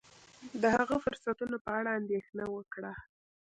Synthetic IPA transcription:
d̪əhaɣəfʊɾsat̪unopəaɽaːnd̪exnawəkɽa

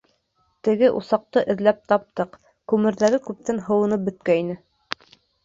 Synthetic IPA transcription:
t̪ɘ̆ɡɘʔusɑq̚t̪ɤʔɘ̆ðlæp̚t̪ɑp̚t̪ɤq | kʉmɘ̆ɾðæɾɘkʉp̚t̪ænɦɤ̆wɤ̆nɤp̚bɵ̆t̪̚kæinɘ

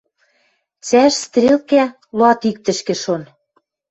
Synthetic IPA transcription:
t͡sæʃst̪rʲelkæ | loɑt̪ik̚t̪ɘ̆ʃkĕʃon

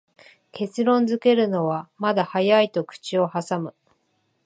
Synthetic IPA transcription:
kʰe̞t͡sɨɾõ̞nd͡zɨke̞ɾɯ̟no̞βamad̪ahajait̪o̞kɯ̟̥t͡ɕio̞hasamɯ̟

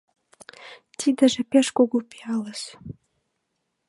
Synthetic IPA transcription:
t̪id̪ə̆ʒĕpeʃkoɡupiɑləʃ

